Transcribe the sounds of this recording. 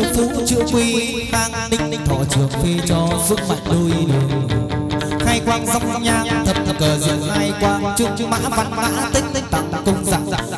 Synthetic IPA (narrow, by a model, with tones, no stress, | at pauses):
fu˨˦t͡ɕɨ̰˧˥əkwi˧˥maː˧˥ŋɗï˧ŋ̟˧˨t̪ʰɔ̰˧˨t͡ɕɨ˨˩əŋfe˧t͡ɕɔ˧zu˦˥t̚ma˨˩t̚ɗu˧jɗɨ˨˩ə˨ | xaː˧jkwaː˧nza˧wŋ͡mɲaː˧˩t̪ʰə˨˩p̚t̪ʰkəː˨˩zɨ̰˧˥ənxaː˧jkwaː˧nt͡ɕɨ˧ma̰ː˧˥va˧˩nɓa̰ː˧˥t̪ï˦˥t̪t̪a̰˨˧˨kʊ˧ŋ͡mza̰ː˧˥